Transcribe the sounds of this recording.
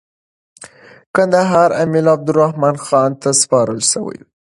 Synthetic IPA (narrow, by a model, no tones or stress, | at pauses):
kand̪aɦɑɾamilab̚d̪ʊɾahmɑnxɑnt̪aspɑɾəlʃəwə̰j